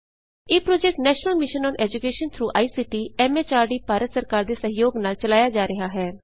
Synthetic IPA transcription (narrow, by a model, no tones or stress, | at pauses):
eːpɾoːd͡ʒɛk̚ʈnɛːʃnəlmɪʃənɔ̃ːnɛːd͡ʒʊkeːʃənt̪ʰɾuːʔaːiːsiːʈiːɛːmet͡ʃaːɾɖiːpaːɾət̪səɾkaːɾd̪eːsəɦɪjoːɡnaːlt͡ʃəlaːjad͡ʒaːɾəɦaːɦɛː